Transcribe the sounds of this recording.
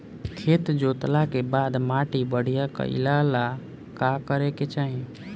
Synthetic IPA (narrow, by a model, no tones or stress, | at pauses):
kʰet̪d͡ʒot̪lakebad̪maʈibəɽ̤ijakə̰ḭlala | kakəɾeket͡ʃaɦĩ